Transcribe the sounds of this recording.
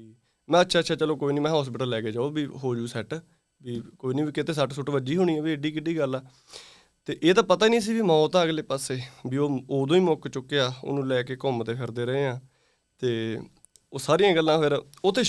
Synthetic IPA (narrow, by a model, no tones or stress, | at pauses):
mɛ̃ːətːʃʰaːtːʃʰaːt͡ʃəloːkoːiːniːmɛ̃ːɦɔːspɪʈəlːɛːkeːd͡ʒaːoːbiːɦoːd͡ʒuːsɛʈ | biːkoːiːniːbiːkɪt̪eːs̬əʈsʊʈʋəd͡ʒiːɦʊːɽiːãːbiːɪɖiːkɪɖiːɡəlaː | t̪eːʔeːt̪ãːpət̪aːiːnĩːs̬iːbiːmãːt̪ãːəɡleːpaːseːbiːoːoːd̪õːĩːmokt͡ʃʊkːeaːo̰ːnũːlɛːkeːkɔːmt̪eːpʰɪɾd̪eːɾəɦeːãː | t̪eː | oːsaːɾijãːɡəlːãːpʰɪɾ | ʊt̪ʰːeː